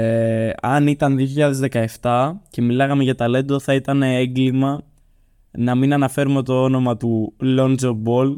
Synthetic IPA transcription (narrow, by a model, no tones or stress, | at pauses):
eɐnit̪ɐnðioçiʎɐðe̞zðe̞kɐe̞ft̪ɐce̞milɐɣɐmeʝɐt̪ɐle̞d̪o̞θɐit̪ɐneeŋɡlimɐ | nɐminɐnɐfe̞ɾume̞t̪o̞ono̞mɐt̪ulo̞nzobo̞l